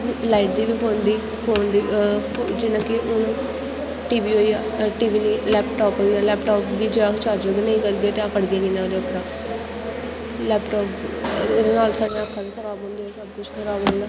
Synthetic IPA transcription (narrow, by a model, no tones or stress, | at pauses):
laːɪːʈ̚d̪iːʋiːpʰoːnd̪iː | pʰoːnd̪iːd͡ʒɪnãːkɪʔʊnũː | ʈiːʋiːɦoːiːjaːʈiːʋiːniːlɛːpʈaːpɦoiːaːlɛːpʈɔːpd̪iːd͡ʒeãt͡ʃaːɾd͡ʒəɾbiːnəĩːkəɾɡ̪eːt̪eãːkəɽɡeːkɪnãːd̪eːʊpɾãː | lɛːpʈɔːped̪eːnaːlsaːɖaəsaːbikʰəɾaːbõːnd̪iaːsəb̚kʊt͡ʃʰkʰəɾaːbõːnd̪aː